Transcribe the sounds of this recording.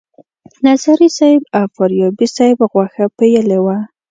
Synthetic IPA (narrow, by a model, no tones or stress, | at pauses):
nazaɾisɑjɪbawfaɾjɑbisɑjɪbɣwaxapejəlewa